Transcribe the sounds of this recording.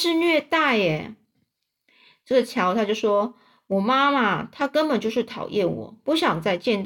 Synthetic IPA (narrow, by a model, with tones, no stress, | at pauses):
ʂɻ̩˥˧nɥɛ˥˧t̪a˥˩ɪɛ˨˩ | ʈ͡ʂɤ˥˩ɡə˩t͡ɕʰjɑ˧˥ʊt̪ʰa˥t͡ɕjʊʂwɔ˥ | wɔ˨˩ma˥ma˨t̪ʰa˥kə˥npə˨˩nt͡ɕjo˥˧ʊʂɻ̩˥˩t̪ʰɑ˨˩ʊjɛ˥˩nwɔ̰˨˩˦pu˥˩ɕjɑ˨˩ŋt͡sa˥˧ɪt͡ɕjɛ˥˧nt̪